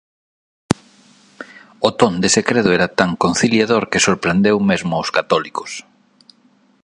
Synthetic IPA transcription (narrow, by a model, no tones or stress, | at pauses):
ot̪ond̪esekɾeðʊɛɾɐt̪aŋkonθiljaðoɾkɪsoɾpɾend̪ewmezmʊoskat̪ɔlikʊ̥s